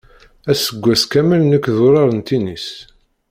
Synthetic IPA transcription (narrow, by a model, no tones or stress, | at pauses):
æsəɡʷːæskæməlnækːðoɾˤɑɾˤənt̪inis